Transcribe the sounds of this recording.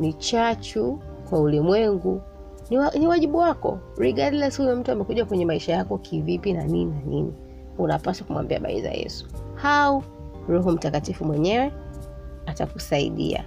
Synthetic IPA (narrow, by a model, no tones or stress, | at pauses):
nit͡ʃat͡ʃu | kwaulimwɛŋɡu | niniwaʄiɓuwakɔ̰ɾiɡadlɛshujɔm̩tuamɛkuʄakwɛɲɛmaiʃajakɔkʰivipinanininanḭnḭ | unapaswakumwa̰mbia̰ɓa̰ḭza̰jɛ̰su̥hau | ɾɔɦɔm̩takatifumwɛɲɛwɛ | atakusaḭɗḭa̰